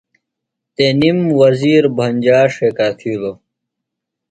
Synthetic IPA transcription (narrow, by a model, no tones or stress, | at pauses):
t̪eːnimwɐziːɾbʱɐnʲd͡ʑaːʂeːkaːfʰilo